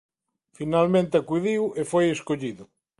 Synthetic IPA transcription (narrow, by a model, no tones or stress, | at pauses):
finalmẽnt̪ɪakuðiwefojeskoʎiðʊ